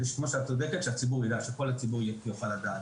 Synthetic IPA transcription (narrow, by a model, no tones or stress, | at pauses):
iʃkmoʃeat͡sod̪eket̪ʃeat͡sibuʁid̪aʃekolhat͡sibuʁjeijofalad̪aːt̪